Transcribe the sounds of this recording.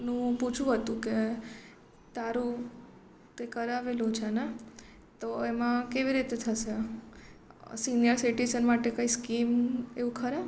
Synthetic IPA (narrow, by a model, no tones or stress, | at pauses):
nũput͡ʃʰũɦət̪ũke | t̪aɾu | t̪ekəɾaʋelot͡ʃʰena | t̪oemãkeʋiɾit̪et̪ʰəʃe | sinjəɾsiʈizənmaʈekaiskimeʋũkʰəɾe